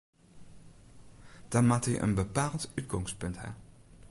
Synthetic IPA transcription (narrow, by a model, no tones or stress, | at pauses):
d̥amaːtəj̰ʔə̰nbəpaːlˠtytɡɔŋst̚pɵntɦa̰ɹ